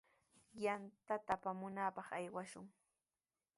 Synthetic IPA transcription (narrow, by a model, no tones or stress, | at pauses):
jant̪at̪apamʊnapɑχajwaʃʊŋ